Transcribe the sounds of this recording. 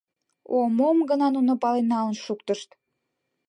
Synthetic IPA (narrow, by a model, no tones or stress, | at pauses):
omomɡənɑnunopɑlenːɑənʃukt̪əʃt̪